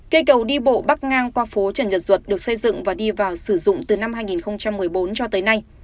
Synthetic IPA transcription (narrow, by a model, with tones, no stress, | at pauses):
kə˧˩jkə˨˩wɗi˧ɓo̰˧˨ɓa˦˥k̚ŋaː˧nkwaː˧fo˨˦t͡ɕə˧˩nzə˨˩t̚z̥wə˨˩t̚ɗɨ˨˩ək̚sə˧jzɨ̰˧˨ŋvaː˨˩ɗi˧vaː˨˩wsɨ˧˩zʊ̰˧˨ŋ͡mt̪ɨ˨˩na˧mhɦaː˧jŋi˨˩nxə˧wŋ͡mt͡ɕa˧mːɨ˨˩əjɓo˨˦nt͡ɕɔ˧t̪əː˨˦jna˧j